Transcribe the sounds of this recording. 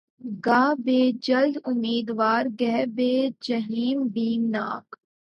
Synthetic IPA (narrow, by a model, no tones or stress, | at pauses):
ɡaːbeːd͡ʒɐld̪ʊmːiːd̪ʋaːɾɡɛɦbeːd͡ʒɐɦiːmbiːmnaːk